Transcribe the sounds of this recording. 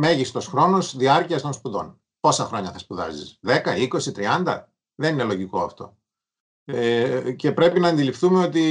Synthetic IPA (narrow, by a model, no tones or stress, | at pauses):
me̞ʝist̪o̞sxɾo̞no̞sðiɐɾciɐst̪o̞nspuðo̞̰n | po̞sɐxɾo̞ɲɐθɐspuðɐ̰zḭsðe̞kɐiko̞sit̪ɾiɐnd̪ɐ̰ | ðe̞nine̞lo̞ʝiko̞ɐft̪o̞̰ | ce̞pɾe̞pinɐːnd̪ilifθume̞o̞t̪i